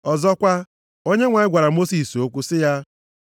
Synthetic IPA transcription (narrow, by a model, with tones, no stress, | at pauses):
ɔ˨zɔ˦kʷa˦ | o˦ɲe˦ŋʷa˨ɪ˦ɡʷa˨ɾa˨mo˦si˨so˦kʷu˦sɪ˦ja˦